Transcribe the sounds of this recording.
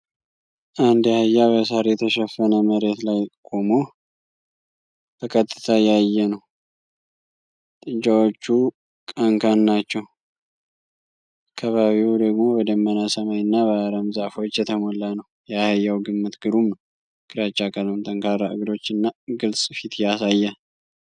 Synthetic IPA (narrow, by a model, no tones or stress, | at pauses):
ʔand̪jahəjːaβəsaɾjɛt̪ʰəʃɛfːənəməɾe̞t̪lajkʼo̞mo | t̪ʰəkʰət̪ʼːɨ̥t̪ʰajajːɛnəw | t̪ʼɨnt͡ʃʼawot͡ʃːu | kʼəŋkʰanːat͡ʃːɛw | akʰːaβaβiwd̪əɡmo̞wɔd̪əmːənasəmajɨnːaβəaɾəmzaʔfo̞t͡ʃːjɛt̪ʰəmolːanəw | jahəjːawɡɨmːɨt̪ɡ̥ɨɾumn | kʰɨɾat͡ʃʼːakʼələmt̪ʰəŋkʰaɾaʔɨ̰ɡd̪o̞t͡ʃːɨnːaɡɨlsʼfit̪jasajːa